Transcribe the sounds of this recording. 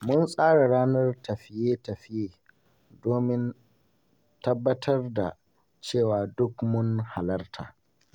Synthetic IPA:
mʊ˦nsʼaː˦ɽa˨ɽaː˦nɐ˦rtɐ˨ɸɪ˦jeː˦tɐ˨ɸɪ˦jeː˦ | doː˦mɪ˦n | tɐ˦bːɐ˦tʰɐ˦rda̰˨ | t͡ʃeː˦˨waː˨dʊ˦kmʊ˦ŋha˨lɐ˦rtʰa̰ː˨

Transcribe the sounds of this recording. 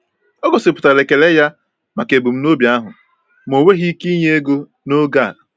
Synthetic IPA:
ɔ˦ɡɔ˨sɪ˨pʊ̥˨ta˨le˨ke˨le˦ja˦ | ma˨ke˨bu˨m̩˦no˦bja˦ɦʊ˨ | m̩˨o˨we˦ɦi˦ki˦ɲe˦e˦ɡo˦ | no˦ɡa˦˨l

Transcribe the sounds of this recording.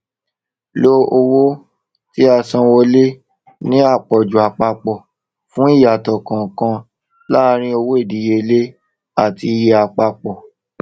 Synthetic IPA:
lo˦o˧wo˦ | ti˦a˧sã˧wo˧˦le˦ | nĩ˦a˦˨k͡pɔ˨d͡ʒu˨a˨k͡pa˧k͡pɔ˨ | fũ˦i˦˨ja˨tɔ˨kã˨kã˧ | la˦˧ɾ̃ĩ˦o˧wo˦e˦˨di˨˦je˧le˦ | a˦˨ti˧je˧a˧k͡pa˧k͡pɔ˨

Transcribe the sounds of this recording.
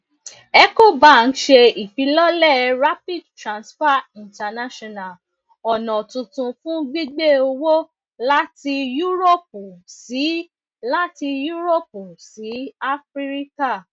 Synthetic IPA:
ɛ˦ko˦˨ba˦˨n̩˦ʃe˧i˨fi˨˦lɔ˦lɛ˦˨ɾa˦pi˦˨dtɾã˨nsfa˦ĩ˨ta˧na˦ʃɔ˦˨na˨l | ɔ˨nɔ̃˨tũ˧tũ˧fũ˦ɡ͡bi˦ɡ͡be˦o˧wo˦ | la˦ti˧ju˦ɾo˦˨p̚u˨si˨˦ | la˦ti˧ju˦ɾo˦˨p̚u˨si˨˦a˦fɾi˦ɾi˦ka˦˨

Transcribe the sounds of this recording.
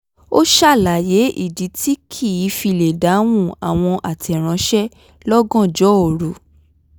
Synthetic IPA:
o˦ʃa˦˨la˨je˨˦ʔḭ˦˨di˨˦ti˦kʰi˦˨i˨˦fi˧˨le˨da˨˦w̃ũ˦˨a˨w̃ɔ̃˧ʔa˨tɛ˨ɾ̃ã˨˧˦ʃɛ˦ | lɔ˦ɡɔ̃˦˨d͡ʒɔ˨˦o˨ɾu˨˦

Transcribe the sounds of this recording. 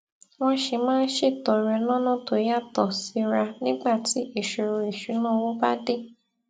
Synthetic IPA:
w̃ɔ̃˦ʃe˧˨mãː˦˧n̩˦ʃe˦˨tɔ˨ɾɛ˧lɔ̃˦nɔ̃˦˨to˨˦ja˦˨tɔ˨si˧˦ɾa˧nĩ˦ɡ͡ba˦˨ti˨˦i˦˨ʃo˧ɾo˧i˨ʃu˨˦nã˦˨wo˦ba˦de˦˨

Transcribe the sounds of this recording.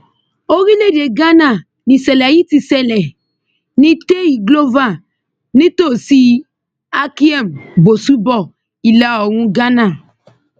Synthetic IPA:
o˦ɾi˦le˦˨de˨ɡa˦na˦˨ | nĩ˨sɛ˨lɛ˨ji˦ti˨sɛ˨lɛ˨ | nĩ˦te˦i˨ɡlo˦va˦˨ | nĩ˦to˦˨si˦ | a˦ki˦ɛ˦˨mbo˨su˦bɔ˦˨ | i˨la˦ɔ˨ɾũ˦ɡa˦na˨

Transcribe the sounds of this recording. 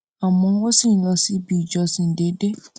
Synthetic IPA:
a˨mɔ̃˧˦wɔ˦si˦˨n̩˦lɔ˧si˦bi˦˨d͡ʒɔ˧sĩ˨n̩˨de˨˦de˦

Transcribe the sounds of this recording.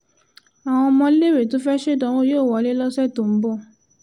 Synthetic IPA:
a˨w̃ɔ̃˧mɔ̃˧˦le˦˨we˨to˨˦fɛ˦ʃe˦dɔ̃˦wo˦joː˦˨wɔ˨˦le˦lɔ˦sɛ˦˨to˨m̩˦bɔ˦˨

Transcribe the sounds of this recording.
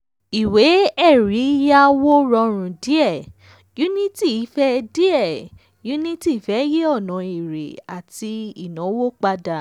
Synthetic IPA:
i˨we˨˦ɛ˦˨ɾi˨˦ja˦wo˦ɾɔ˧ɾ̃ũ˨di˦ɛ˦˨ | ju˦nĩ˦ti˦˨i˨˦fɛ˦di˦ɛ˦˨ | ju˨˦nĩ˦ti˦˨fɛ˨˦je˦ɔ˦˨nɔ̃˨i˨ɾḛ˨a˨ti˧i˦˨nɔ̃˨˦wo˦k͡pa˧da˨

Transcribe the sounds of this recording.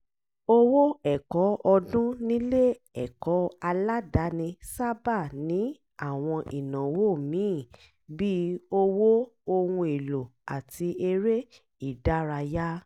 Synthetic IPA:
o˦˧wo˦ɛ˦˨kɔ˨˦ɔ˧dũ˦nĩ˦le˦ | ɛ˨kɔ˨˦a˧la˦da˨˦nĩ˧sa˦ba˦˨nĩ˨˦ | a˦˨w̃ɔ̃˧ʔi˨nã˨wo˦˨mĩ˨˦˨ | bi˦o˧wo˦o˧wũ˧e˨lo˨a˨ti˧e˧ɾe˦ | i˨da˦ɾa˧ja˦

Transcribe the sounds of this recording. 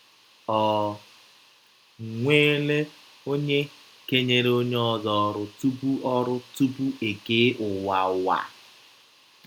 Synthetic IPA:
ɔ˨ | ŋʷeː˦le˦ | o˦ɲe˦ | ke˦ɲe˦ɾo˦ɲe˦ɔ˦zɔ˨ɾʊ˨tu˦bu˦ʔɔ˦ɾʊ˦tu˦bu˦e˨ke˦ʔʊ˨wa˨ʊ˨wa̰˨

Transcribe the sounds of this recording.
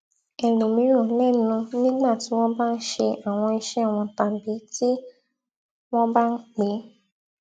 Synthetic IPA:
ɛ˨lu˨mĩ˨˦ɾ̃ũ˦˨˦lɛ˦˨nũ˧nĩ˦ɡ͡ba˦˨ti˨˦w̃ɔ̃˦ba˦n̩˦ʃe˧a˨w̃ɔ̃˧i˧ʃɛ˦a˦˨w̃ɔ̃˧ta˧˨bi˨˦ti˦ | w̃ɔ̃˦ba˦n̩˦k͡pe˨˦

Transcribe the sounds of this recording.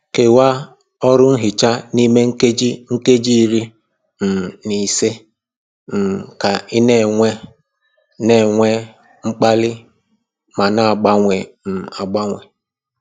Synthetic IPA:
ke˨wa˦ | ɔ˦ɾʊ˦n̩˦ɦɪ˨t͡ʃa˦ni˦me˦ŋ̩˦ke˦d͡ʒi˦ŋ̩˦ke˦d͡ʒi˦ɾi˦ | m̩˨ni˨se˦ | m̩˨ka˨ɪ˦ne˦˨ŋʷe˦ | ne˨ŋʷe˦ | ŋ͡m̩˦k͡pa˦lɪ˦ | ma˨na˨a˨ɡ͡ba˦ŋʷe˨m̩˨a˨ɡ͡ba˦ŋʷe˨

